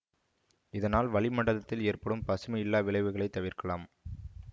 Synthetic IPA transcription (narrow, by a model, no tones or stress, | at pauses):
ɪðɐnaːlʋɐɭɪmɐɳɖɐðɐt̪ːɪleːrpɐɽɯmpɐsɯmɐɪlːaːʋɪɭɐɪʋɯɣɐɭɐɪt̪ːɐʋɪrkɐɭaːm